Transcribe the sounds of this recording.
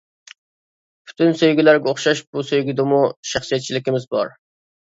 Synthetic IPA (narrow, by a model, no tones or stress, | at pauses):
pʰy̥t̪ʰynsøjɡʲilæɾɡʲɛoχʃɑʃbusøjɡʲid̪ɛmuʃæχsijɛt̪̚t͡ʃʰilɪkʲɪmɪzbɑɾ